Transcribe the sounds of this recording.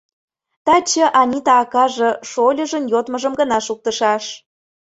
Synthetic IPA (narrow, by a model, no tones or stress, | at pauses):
t̪ɑt͡ɕə̆ʔɑnʲit̪ɑːkɑʒɤ̆ʃolʲə̆ʒə̆njot̪mə̆ʒə̆mɡə̆nɑʃuk̚t̪ə̆ʃɑʃ